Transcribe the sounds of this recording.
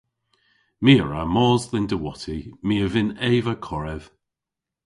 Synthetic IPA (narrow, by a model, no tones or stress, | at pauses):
miːəɹamɔːzðɪndəwɔtʰimiːəvɪnɛːvəkʰɔɹɛv̥